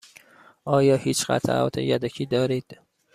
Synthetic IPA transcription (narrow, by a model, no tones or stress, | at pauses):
ʔɒːjɒːhiːt͡ʃɢæ̰t̪ʰa̰ʔɒ̰ːt̪ʰḛjæd̪ocʰiːd̪ɒːɾiːd̪̥